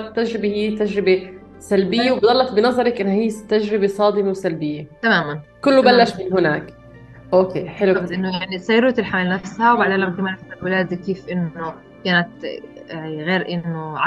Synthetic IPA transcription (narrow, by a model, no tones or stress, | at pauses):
t̪ːaʒɾɪbehijːt̪aʒɾɪbe | salbɪjːewbd̪ɑlːɑt̪bɪnɑzˤɑɾˤɑkʔɪnːhiːt̪aʒɾɪbesˤɑːd̪ɪmewsalbɪjːet̪amaːmankʊlːʊbalːæʃmɪnɦɪnaːk | ʔoːkḛːħɪluʔɪnːʊjaʕnisajːɪɾuːt̪ɪlħamalnafshæwbaʕd̪eːlakamaːʔaħt̪ɑwɪlaːd̪keːfʔɪnːʊ | kaːnat̪ | ɣeːɾʔɪnːʊʕa